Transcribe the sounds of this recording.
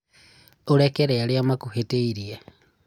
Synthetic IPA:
uɾekeɾealjamakuheteiɾie

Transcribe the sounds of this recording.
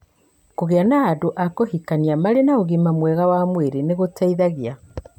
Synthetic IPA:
koɣeanaːdoʔakohikaniamaɾenaoɣimamwɛɣawamweɾeneɣotaiðaɣia

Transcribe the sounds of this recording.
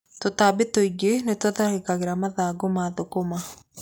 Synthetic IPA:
tot̪aːbetoiɡenetaðahekaɣeɾamaðaːɡomaðokoma

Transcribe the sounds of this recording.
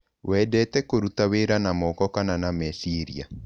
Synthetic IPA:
wɛdɛtɛkoɾutaweɾanamɔkɔkananamɛsiɾia

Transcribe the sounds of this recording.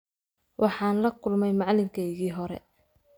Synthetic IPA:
wʔɑħɑːnlɐkʰʊlmɛjmɑʕlɪŋkʰɛjɣiːɦɔɾɛ̰

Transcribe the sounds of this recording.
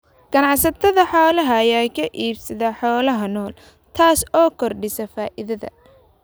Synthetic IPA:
ɡ̥ɐnɑʕsɐt̪ʰɐðɐħɔːlɐɦɐjaːkʰɐʔiːbsɐðɐħɔːlɐɦɐnɔːl | t̪ʰaːsɔːkʰɔrɖɪsɐfaːʔɪðɐðɐ̰

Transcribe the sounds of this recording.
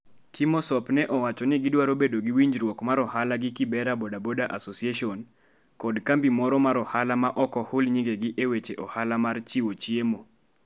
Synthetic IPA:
kimɔsɔpnɛʔɔwat͡ʃɔnɪɡɪdwaɾobedoɡiwiɲd͡ʒɾwɔkmaɾɔhalaɡɪkɪbɛɾabodabodaʔasosieʃɔn | kɔdkambimɔɾɔmaɾɔhalamaʔɔkɔhʊlɲiŋɡeɡiʔewet͡ʃeʔɔhalamart͡ʃiwot͡ʃiemo

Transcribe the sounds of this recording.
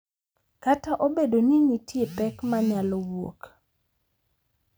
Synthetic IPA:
kataʔobedoniŋitjepɛkmaɲalɔwo̰k

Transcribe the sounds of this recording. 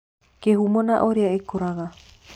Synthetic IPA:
kehumonaʔoɾeaekoɾaɣa

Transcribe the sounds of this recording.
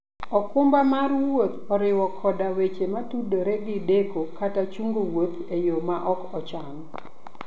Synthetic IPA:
ɔkʊmbamaɾwot̪ɔɾɪwɔkʰɔdawet͡ʃematudoɾeɡɪdekokatat͡ʃuŋɡowot̪ejomaʔɔkɔt͡ʃanɔ

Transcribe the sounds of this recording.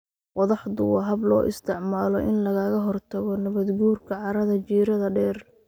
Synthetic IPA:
wɑðɑħd̪ʊwɑɦɐblɔːʔɪ̰st̪ʰɪʕmaːlɔʔɪnlɐɣɐɣɐɦɔrt̪ʰɐɣɔnɐβɐd̪ɡuːrkʰɐʕɑɾɐðɐt͡ʃiːɾɐðɐɖɛːr

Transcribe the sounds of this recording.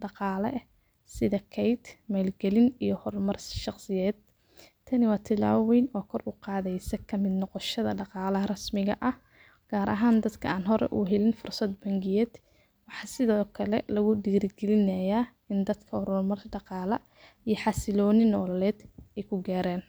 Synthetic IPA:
ɖɑqɑːlɐ̰ʔ | sɪðɐkʰɛjd̪mɛlɡɛlɪnijɞhɔrmɐrsʃɑqsɪjɛːd̪̚ | t̪ʰɐnɪwɑːt̪ʰɪla̰ːwɛjnɔːkʰɔrʊqɑːðɛjsɐkʰɐmɪd̪nɔqɔʃɐðɐɖɑqɑːlɐɦɐrɐsmɪɣɐʔɐh | ɡ̥aːɾʔɐ̰ɦaːnd̪ɐd̪kʰɐaːnɦɔɾʔɛ̰ʔuːɦɛlɪnfʊrsɐd̪bɐŋɡɪjɛd̪̥ | wɑħɑsɪðɔːkʰɐlɛ̰lɐɣʊɖiːɾɪɡɛlɪnɐjaː | ɪnd̪ɐd̪kʰɐhɔɾlmɐrɖɑqɑːlɐ | ijɞħɑsɪlɔːnɪnːɔːlɐlɛːd̪ɛjkʰʊɡaːɾaːn

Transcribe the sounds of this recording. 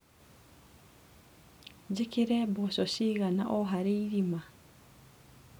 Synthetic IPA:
d͡ʒekiɾɛbɔsɔɕiːɣana̰ʔɔɦaɾeiɾima

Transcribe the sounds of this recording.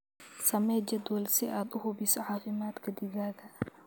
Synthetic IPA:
sɐmɛːd͡ʒɐd̪wɐlsɪʔaːd̪ʊhʊbisɔʕɑːfɪmaːd̪kʰɐd̪ɪɣaːɣɐ

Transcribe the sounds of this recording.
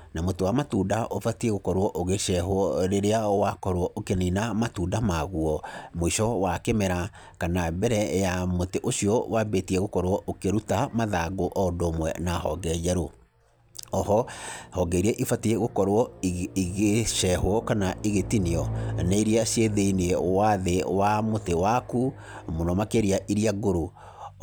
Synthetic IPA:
namotowamatundaʔofatiɛɣokɔɾwɔʔoɣeʃɛhwɔɾeɾeawakɔɾwɔʔokeninamatuːndamaɣuɔmoiʃɔwakemɛɾa | kanabɛɾɛjamoteʔoʃiɔwabetiɛɣokɔɾwɔʔokeɾutamaðaɡoʔɔdomwɛnahɔ̰ɡɛd͡ʒɛɾo | ɔhɔhɔɡɛiɾiɛʔifatiɛɣokɔɾwɔiɣeʃɛhwɔkanaiɣetiniɔneiɾiaɕjeðeinɛwaðewamotewaku | monɔmakeɾiaʔiɾiaɡoɾo

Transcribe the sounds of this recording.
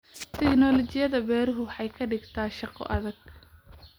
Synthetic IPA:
t̪ʰɛɡnɔlɔt͡ʃɪjɐðɐbɛːɾʊɦʊwħɑjkʰɐɖɪɡt̪ʰaːʃɑqɔ̰ʔɐðɐɡ̥̚

